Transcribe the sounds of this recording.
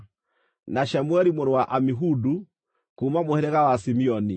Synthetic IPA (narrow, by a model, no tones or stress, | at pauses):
naʃamuɛɾimɔɾɔwaʔamiɦudu | kumamuhɛɾɛɣawasimiɔni